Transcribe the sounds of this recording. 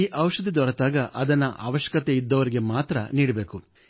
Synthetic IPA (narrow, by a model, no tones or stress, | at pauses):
iːʔɐwʂɐd̪ʱid̪ɔɾɐt̪aːɡɐʔɐd̪ɐnːɐʔa̰ːʋɐʃjɐ̥kɐt̪eid̪ːɐʋɐɾiɡe̞maːt̪ɾɐniːɽɐbe̞ːku